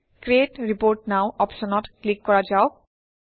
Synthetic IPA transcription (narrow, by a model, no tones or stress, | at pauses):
kɹetɹipoɹʈ̚naʊʔɔpsɔnɔtklikːɔɹad͡ʒaʊ